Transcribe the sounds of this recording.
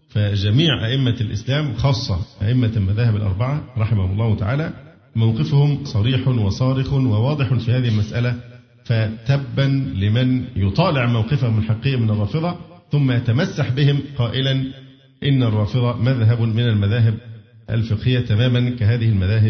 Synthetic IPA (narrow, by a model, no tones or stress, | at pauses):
fæd͡ʒæmiːʕʔa̰ʔɪmːalʔɪ̰slæːmxɑːsˤːɑʔæ̰ʔɪmːælmæðæːhɪbalʔɑ̰ɾˤbɑʕɑɾˤɑħɪmahʊmɑlˤːɑːhʊt̪a̰ʕa̰ːlæ | mawqɪfʊhʊmsˤɑɾiːħʊnwɑsˤɑːɾɪxʊnwæwɑːd̪ˤɨħfiːhaːðihɪlmæsʔælæ | fæt̪æbːænlɪmɪnjʊt̪ˤɑːlɪʕmawqɪfahʊmɪlħɑqːijːamɪnɑrˤːɑːfɨðˤɑθʊmːajat̪æmasːaħbɪhɪmqɑːʔɪlæn | ʔɪnːærˤːɑːfɨðˤɑmæðɦæbmɪnælmæðaːɦɪb̚ʔæ̰lfɪqhɪjːat̪æmæːmænkæɦaːðɪhɪlmæðaːɦɪb